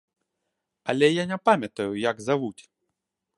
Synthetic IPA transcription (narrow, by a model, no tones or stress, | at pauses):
ɐlʲɛjanʲɛpamʲɐt̪ɐjujaɡzaʋut͡sʲ